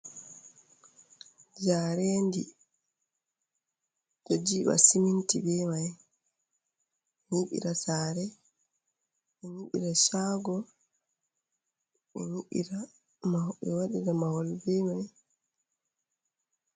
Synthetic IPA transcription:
d͡ʒaːɾɛndi | d͡ʒɔd͡ʒiɓa̰simintibɛmaj | ɛɲiɓḭɾasaːɾɛ | ɓɛɲiɓḭɾaʃaːɡɔ | ɓɛɾuʔḭɾa | maɓɛwaɗiɾamahɔlbɛmaj

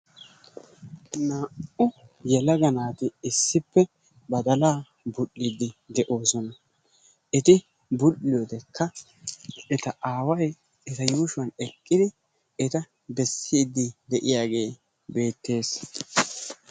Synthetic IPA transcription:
naːʊjɛlɐɡɐnaːt̪ɪɪsːɪpːɛ | bɐd̪ɐlaː | bʊɗːɪd̪ːɪd̪ɛʔo̞ːsɔnɐ | ʔɛt̪ɪ | bʊlːɪjɔt̪ɛkʰːɐ | ɛt̪ɐʔaːwɐj | ɛt̪ɐjuːʃʊwɐnɛkʼːɪd̪ɪ | ɛt̪ɐ | bɛsːiːd̪ːɪd̪ɛʔɪjaːɡe̞ː | be̞ːt̪ːe̞ːs

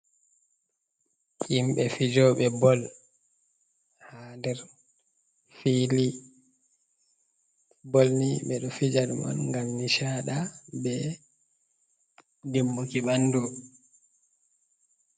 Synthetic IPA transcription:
ʔimɓɛfid͡ʒɔɓɛbɔl | hadɛɾ | fili | bolniɓɛɗɔfid͡ʒadmɔ̰nŋɡamniʃaɗabɛ | dimːukiɓandu

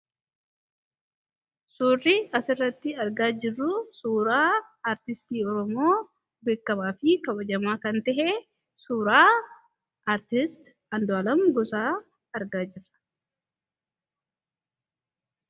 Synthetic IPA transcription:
suːrːɪɐsɪrːɐt̪ːɪɐɾɡaːd͡ʒɪrːʊsuːɾaː | aːɾt̪ɪst̪iːɔɾɔmo̞ː | be̞ːkːɐmaːfɪkɐbɐd͡ʒɐmaːkɐnt̪ɛʔe | suːɾaː | ʔaːɾt̪ɪst̪ | ɐnd̪ɔɐlɐmɡɔsaː | ɐɾɡaːd͡ʒɪrːɐ̥

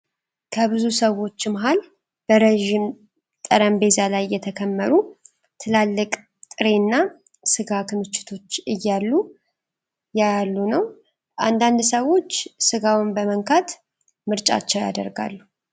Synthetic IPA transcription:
kʰəβɨzusəwo̞t͡ʃːmaɦal | b̥əɾəʒim | t̪ʼəɾəmbe̞zalajːɛt̪ʰəkʰəmːəɾu | t̪ʰɨlalːɨkʼ | t̪ʼɨɾe̞nːa | sɨɡakʰɨmɨt͡ʃːɪ̥t̪ʰo̞t͡ʃːɨjːalːu | jalːunəw | ʔand̪and̪səwo̞t͡ʃːsɨɡawunbəməŋkʰat̪ | mɨɾt͡ʃʼa̰t͡ʃːɛwja̰d̪ə̰ɾɡa̰lːu

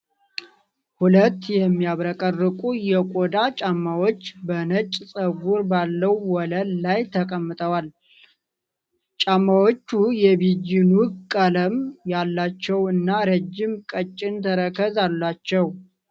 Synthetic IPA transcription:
hulət̪ːjɛmːijaβɾəkʼərːɨkʼujɛkʼod̪at͡ʃʼamːawo̞t͡ʃːbənət͡ʃʼːsʼəɡuɾbalːəwwɔləllajt̪ʰəkʼəmːɨt̪ʼəwal | t͡ʃʼamːawot͡ʃːujɛβid͡ʒːɪnukʼːələmjalːat͡ʃːɛwɨnːaɾəd͡ʒːɪmkʼət͡ʃʼːɪnt̪ʰəɾəkʰəzalːat͡ʃːɛw

